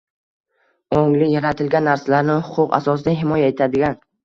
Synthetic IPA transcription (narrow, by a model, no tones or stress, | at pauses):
oŋlɪjaɾat̪ʰɪlɡʲanːaɾsalaɾnɪhʊqʰʊqa̰sɒsɪd̪aɦɪmɒjae̞t̪ʰad̪ɪɡʲan